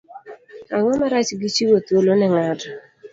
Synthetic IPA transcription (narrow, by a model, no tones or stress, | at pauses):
aŋɔmaɾat͡ʃɡit͡ʃiwot̪wolonɛŋad